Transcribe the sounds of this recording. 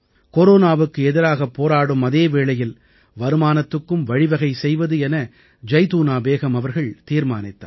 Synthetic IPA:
koɾoːnaːʋɯkːɯɛðɪɾaːɣɐpːoːɾaːɽɯmɐðeːʋeːɭɐjɪl | ʋɐɾɯmaːnɐt̪ːɯkːɯmʋɐɻɪʋɐɣɐɪsɛjʋɐðɯɛnɐ | d͡ʒɐɪt̪uːnaːbeːɣɐmɐʋɐɾɣɐɭt̪iːɾma̰ːnɪt̪ːa̰ːɾ

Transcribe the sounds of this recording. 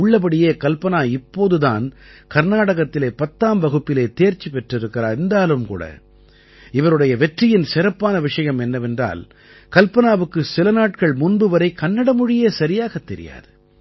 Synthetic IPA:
ʊɭːɐp̬ɐɽɪjeːkɐlpɐnaːɪpːoːðɯða̰ːnkɐɾnaːɽɐɣɐt̪ːɪleːpɐt̪ːaːmbɐɣɯpːɪleːt̪eːɾt͡ʃipɛʈrɪɾɯkːɪɾaːɛnd̪aːlɯmkṵːɽɐ̰ | ɪʋɐɾɯɽɐjɐʋɛʈrɪjɪnsɪɾɐpːaːnɐʋɪʂɐjɐmɛnːɐʋɛndra̰ːl | kɐlpɐnaːʋɯkːɯsɪlɐnaːʈkɐɭmʊnbɯʋɐɾɐɪkɐnːɐɽɐmʊɻɪjeːsɐɾɪjaːɣɐt̪ːɛɾɪ̰ja̰ːðɯ

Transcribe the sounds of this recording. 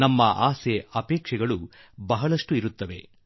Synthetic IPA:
nɐmːɐʔaːseɐpɛːkʂɛɡɐɭu | bɐɦɐɭɐʂʈuiɾut̪ːɐʋe̞̰

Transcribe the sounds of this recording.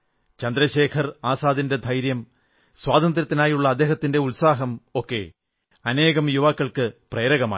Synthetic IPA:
t͡ɕɐnd̪ɾɐɕeːkʰɐraːsaːd̪inded̪ʱɐjɾjɐm | swaːd̪ɐnd̪ɾɐt̪ːinaːjuɭːɐːd̪eːɦɐt̪ːinde̞ulsaːɦɐmokːe̞̰ː | ɐneːɣɐmjuʋaːkːɐɭkɨpreːɾɐɣɐma̰ː

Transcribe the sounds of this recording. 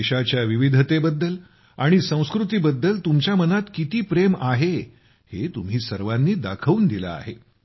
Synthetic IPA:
eɕat͡ɕjaʋiʋid̪ʱt̪ebəd̪ːəl | aɽ̃isə̃w̃skɾut̪̬iːbəd̪ːəlt̪umt͡ɕjamənat̪kit̪iːpɾemaɦe | het̪um̤ɦiːsəɾʋanːiːd̪akʰəuːnd̪ila̰a̰ɦe

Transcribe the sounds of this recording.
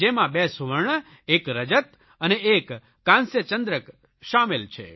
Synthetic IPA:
emãbesuʋəɾɳ | ekɾəd͡ʒət̪ | əneekː | ãnsjət͡ʃənd̪ɾək | ʃamelt͡ʃʰḛ

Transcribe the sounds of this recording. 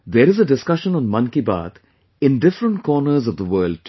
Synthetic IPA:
d̪eːɾɪzəɖɪskʌʃə̃nɔ̃ːnmʌ̃nkiba̰ːd̪ | ɪ̃nɖɪfɾə̃ɳʈkʰɔːnəɾzɔʋd̪əʋəːlɖ

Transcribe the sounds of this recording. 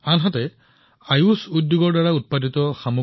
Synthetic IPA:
anɦatɛ | ajusudjuɡɔɹdaɹaut̚paditɔxamu

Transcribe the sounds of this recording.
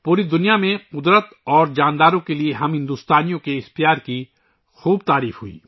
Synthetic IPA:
puːɾid̪ʊnijamẽqʊd̪ɾət̪ɔːɾd͡ʒaːnd̪aːɾõkelieɦɐmɦɪ̃nd̪uːst̪aːnijõkeɪxt̪ijaːɾki | xuːbt̪aːɾiːfɦʊḭː

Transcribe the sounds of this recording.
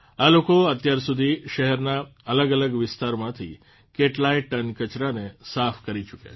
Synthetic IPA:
alokoət̪jaɾsud̪ʱiʃəɦɛɾnaələɡələɡʋɪst̪aɾmãt̪ʰḭ | keʈlaiʈənkət͡ʃɾanesafʰkəɾit͡ʃukja̰

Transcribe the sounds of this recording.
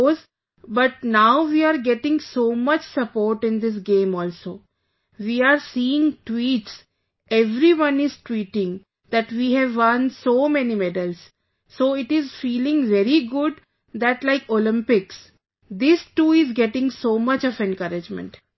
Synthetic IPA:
oz | bʌʈ̚naʊʋiːaːɾɡɛʈɪ̃ŋsoːmʌt͡ʃsəpoːɾʈɪ̃nd̪ɪs̬ɡẽːmɔːlsoː | ʋiːaːɾsiːɪ̃ŋʈwiːʈs | ʔeʋɾiʋʌ̃nɪz̥ʈwiːʈɪ̃ŋ | d̪̥æʈʋiːɦɛʋːʌ̃nsoːmɛnimɛɖəlsː | oːɪʈɪzfiːlɪ̃ŋʋɛɾiɡʊɖ | d̪æʈlaɪkolɪ̃mpɪks | d̪ɪsʈuːɪzɡɛʈɪ̃ŋsoːmʌt͡ʃɔʋɛ̃nkʌɾɪd͡ʒmə̰̃ɳʈ

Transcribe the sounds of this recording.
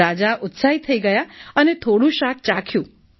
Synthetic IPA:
ad͡ʒaʔʊt̪saɦit̪ʰəiɡəjaənet̪ʰoɽũʃak̚ʰt͡ʃãkʰjũ

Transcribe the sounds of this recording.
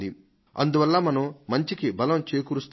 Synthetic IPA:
d̪i | ɐ̰nd̪uʋɐlːaːmɐnɐmmɐɲt͡ʃikibɐlɐmt͡ʃeːkuɾust̪

